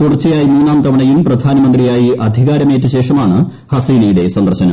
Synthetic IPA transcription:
t̪uɽɐrt͡ɕːɐjaːjimuːnaːmt̪ɐʋɐɳɐjumprɐd̪ʱaːnɐmɐnd̪rijaːjiɐd̪ʱiɣaːɾɐmeːtːɨɕe̞ːʂɐmaːɳɨ | hɐsiːnɐjuɽe̞sɐnd̪ɐrɕɐnɐ

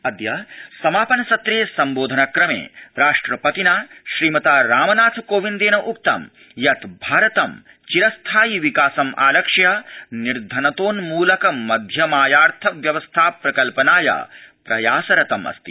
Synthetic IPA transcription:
ɐd̪jɐsɐmaːpɐnɐsɐt̪ɾeːsɐmboːd̪ʱɐnɐkɾɐmḛːɾaːʂʈɾɐpɐt̪inaːʃɾiːmɐt̪aːɾaːmɐnaːt̪ʰkoːʋind̪eːnɐʔuk̚t̪ɐ̰m | jɐt̪bʱaːɾɐt̪ɐm | t͡ʃiɾɐst̪ʰaːjiʋikaːsɐmʔa̰ːlɐkʂɐjɐniɾd̪ʱɐnɐt̪oːnmuːlɐkɐmːɐd̪ʱjɐmaːjaːɾt̪ʰɐʋjɐʋɐst̪ʰaːpɾɐkɐlpɐnaːjɐ̰ːpɾɐjaːsɐɾɐt̪ɐmɐ̰st̪i̥

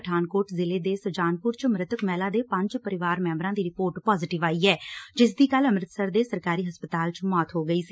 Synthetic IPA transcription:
əʈʰaːnkoːʈzɪleːd̪eːsəʋd͡ʒaːnpʊɾt͡ʃəmɾɪt̪əkmɛːlaːd̪eːpə̃ɲd͡ʒpəɾɪʋaːɾmɛ̃ːmbɾãːd̪iːɾɪpoːɾʈpɔːzɪːʈɪʋaːiːɛːd͡ʒɪs̬d̪iːkələmɾɪt̪səɾd̪eːsəɾkaːɾiːɦəspət̪aːlt͡ʃmɔːt̪ɦoːɡəiːsiː

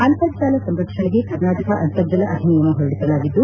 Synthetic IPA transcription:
ɐnt̪ɐd̪ʃaːlɐsɐmɾɐkʂɐɳeɡe̞kɐɾnaːʈɐkɐʔɐnt̪ɐɾd͡ʒɐlɐʔɐd̪ʱinijɐnːuɦoɾɐɽisɐlaːɡid̪ːu

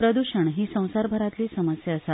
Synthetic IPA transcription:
pɾəd̪uɕəɳɦiːsə̃w̃saɾbʱəɾat̪liːsəməsjaːsa

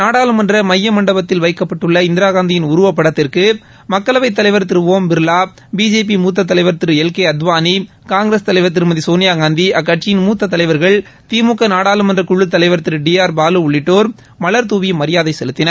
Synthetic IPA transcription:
naːɽaːlɯmɐndrɐmɐjːɐmɐɳɖɐbɐt̪ːɪlʋɐɪkːɐpːɐʈːɯɭːɐɪnd̪ɪɾaːɣaːnd̪ɪjɪnʊɾʊʋɐpːɐɽɐt̪ːɪrkɯ | mɐkːɐlɐʋɐɪt̪̬ːɐlɐɪʋɐɾt̪ɪɾɯʋoːmbɪɾɯlaː | biːd͡ʒeːp̬imuːt̪̬ːɐt̪̬ːɐlɐɪʋɐɾt̪ɪɾɯɛlkeːɐd̪ʋaːni | kaːŋɡɾest̪ɐlɐɪʋɐɾt̪̬ːɪɾɯmɐðisoːnɪjaːɣaːnd̪iʔɐkːɐʈt͡ʃɪjɪnmuːt̪ːɐt̪ːɐlɐɪʋɐɾɣɐɭ | t̪iːmuːkːɐnaːɽaːlɯmɐndrɐkʊɭːɯt̪ːɐlɐɪʋɐɾt̪ɪɾɯɖijaːɾbaːlɯʊɭːɪʈːoːɾ | mɐɭɐɾt̪uːʋimɐɾɪjaːðɐɪsɛlɯt̪ːɪnɐɾ

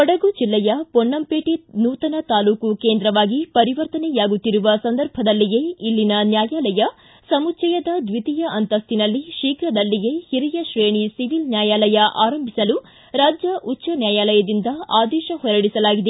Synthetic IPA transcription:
ɔɽɐɡud͡ʒilːɛjɐpoɳːɐmpeːʈinuːt̪ɐnɐt̪aːluːkukeːnd̪ɾɐʋaːɡipɐɾiʋɐɾt̪ɐnɛjaːɡut̪ːiɾuʋɐsɐnd̪ɐɾbʱɐd̪ɐlːiɡe̞ilːinɐnjaːjaːlɐjɐ | sɐmut͡ʃɐjɐd̪ɐd̪ʋit̪ijɐʔɐnt̪ɐst̪inɐlːiʃiːkɾɐd̪ɐlːiɡe̞hiɾijɐʃɾeːɳisiʋilnjaːjaːlɐjɐʔaːɾɐmbʱisɐlu | ɾaːd͡ʒjɐʔutːt͡ʃːɐnjaːjaːlɐjɐd̪ind̪ɐaːd̪ɛːʃɐhɔɾɐɽisɐlaːɡid̪e

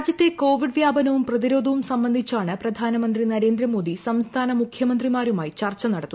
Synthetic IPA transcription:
aːd͡ʑjɐt̪ːe̞ko̞ːʋiɖʋjaːbɐnɐʋumprɐðiɾo̞ːd̪ʱɐʋumsɐmbɐnd̪ʱit͡ɕːaːɳɨprɐd̪ʱaːnɐmɐnd̪rinɐɾe̞ːnd̪ɾɐmo̞ːd̪isɐmst̪ʰaːnɐmukʰjɐmɐnd̪rimaːɾumaːjit͡ɕɐrt͡ɕːɐnɐɽɐt̪ːu

